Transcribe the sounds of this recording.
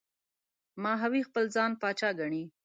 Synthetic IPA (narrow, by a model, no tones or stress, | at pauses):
mɑɦawixpəlzɑnpɑt͡ʃɑɡaɳi